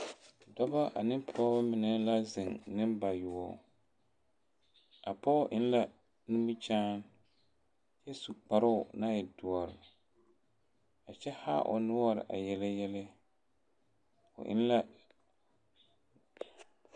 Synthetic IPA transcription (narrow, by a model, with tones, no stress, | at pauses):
dɔ˦ba˦ʔa̰˨nɪ˦m˦pʰɔ˦ba˦mɪ˨nɛ˦la˦zɪ˨ŋnɪ˦mba˨jʊ˨ɔ̰˨ | a˨pɔ˦ʔɪ˦n˦la˦ | nu˦mu˦t͡ʃaː˦n | jɛ˦su˨k͡pa˨ɾʊ˦ʊ˨na˦jɛ˨dʊ˨ɔ˨ɾɪ˨ | a˨t͡ʃɛ˦ha̰ː˦ʔʊ̰˨nʊ˦ɔ˦ɾɪ̰˨ʔa̰˨jɛ˨la˦jɛ˦la˦ | ʊ̰˨ʔɪ̰˦n˦la˦